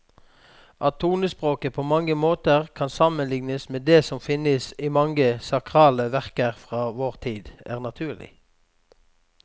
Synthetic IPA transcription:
ʔɑt̪ʰːuːnəspʁoːkəpʰoːmɑŋəmoːt̪əʁkʰɑnsɑmənlɪŋnəsmeːd̪eːsɔmfɪnəsimɑŋəsɑkʁɑːləʋæʁkəʁfʁɑːʋoːʁt̪ʰiːd̪æ̰ːʁnɑt̪ʰʉːʁlɪ̰

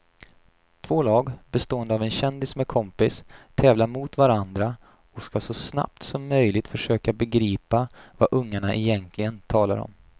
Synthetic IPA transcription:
t̪ʰv̥oːlɑːɡbɛst̪oːənd̪əavɛnɕɛnd̪ɪsmɛkʰɔmpɪst̪ʰɛːvlaɾmʊt̪vaɾand̪ɾa | ɔskasɔsna̰p̚t̪sɔmːœjlɪɡt̪fœʂøːkabɛɡɾiːpavaʔɵŋːaɳaʔɛjɛnt̪ʰlɪɡənt̪ʰɑːla̰ɾɔ̰m

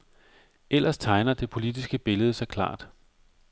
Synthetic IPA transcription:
el̰ɐst͡sʰɑ̈ɪnɐd̥e̝pʰo̝lid̥isɡ̥əb̥e̝ləð̞̩ˠəsɑ̈ɪkʰlɑ̰̈ːd̥

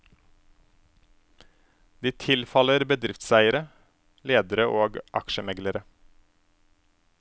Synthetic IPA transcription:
d̪̥iːt̪ʰɪlfɑləɾbəd̪ɾɪft̪sæɪəɾə | leːd̪əɾəʔoːɡʔɑkʃəmɛɡləɾə

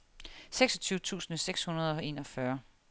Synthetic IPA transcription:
seɡ̥sɒ̽t͡sʰyːʊət͡sʰṵːsn̩əseɡ̥shunɐð̞ˠɒ̽e̝̰ːnɒ̽fɶɐ

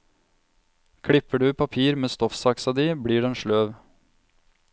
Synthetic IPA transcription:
kʰɽɪpəɖʉːpʰɑpʰiːɾmeːst̪ɔfsɑksɑd̪iːbɽiːɖeːeːnʃɭøːʋ

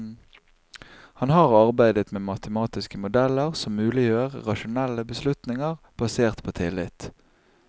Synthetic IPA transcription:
hɑnhɑːʁɑʁbæɪd̪ət̪meːmɑt̪əmɑːt̪ɪskəmʊd̪ɛləʁsɔmːʉːlɪjøːʁə̰ʁɑʃʊnɛlːəbəslʉt̪nɪŋəʁ | b̥ɑseːʁt̪pʰoːt̪ʰɪlɪt̪

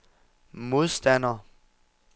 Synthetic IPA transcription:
mo̝ðˠsd̥ænɐ

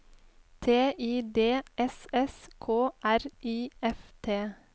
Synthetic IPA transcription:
t̪ʰeːʔiːd̪eːʔɛsɛskʰoːʔæɾiːɛft̪ʰeː

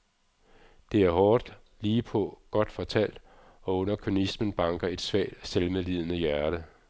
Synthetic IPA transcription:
d̥e̝æɐhɒːd̥ | liːpʰɒ̽ɡ̥ɒ̽d̥fɒ̽t͡sʰæl̰d̥ | ɒ̽ɔ̽n̰ɐkʰønismən̩b̥ɑ̈ŋɡ̥ɐe̝d̥sʋɛ̰ːd̥selmelið̞̰ˠnəjæɐɾ̥ə

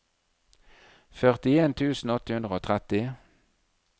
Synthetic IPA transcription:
fœʁt̪ɪeːnt̪ʰʉːsn̩ɔt̪əhʉnd̪ʁəoːt̪ʰʁɛt̪ɪ

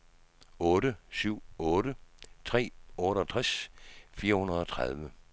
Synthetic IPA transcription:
ɔːɾəsyʊ̰ɔ̽ːɾət͡sʰʁɛ̰ːɔ̽ːɾəɒ̽t͡sʰʁasfiːɐhunɐð̞̩ˠɒ̽t͡sʰʁɑð̞ˠʋə

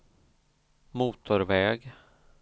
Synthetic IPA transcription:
muːt̪ʊɾvɛːɡ

